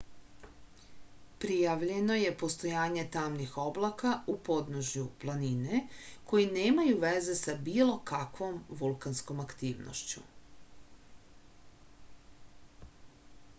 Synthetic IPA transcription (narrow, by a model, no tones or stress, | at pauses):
pɾijaʋʎe̞no̞je̞po̞st̪o̞jaːɲe̞t̪aːmnixo̞blˠakaupo̞d̪noʒjuplˠanineko̞jineːmajuʋeze̞sabiːlˠo̞kakʋo̞mʋulˠkansko̞makt̪iːʋno̰ʃt͡ɕṵ